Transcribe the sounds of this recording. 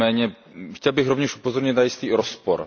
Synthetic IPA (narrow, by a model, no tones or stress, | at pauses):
ɛːɲɛ | xcɛlbɪɣɾovɲɛʃʔupozoɾɲɪt̪najɪst̪iːɾospoɾ